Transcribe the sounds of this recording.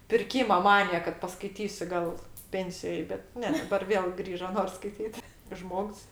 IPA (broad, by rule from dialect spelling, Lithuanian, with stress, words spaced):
pʲɪrʲˈkʲiːmɐ ˈmɑːnʲɪjɛ kɐt pɐskɐɪˈtʲiːsʲʊ ˈɡɐlˠ ˈpʲɛnʲsʲɪjoːj bʲɛt ˈnʲɛ dɐˈbɐr ˈʋʲeːlˠ ˈɡrʲiːʒoː ˈnoːrs skɐɪˈtʲiːt ˈʒmoːks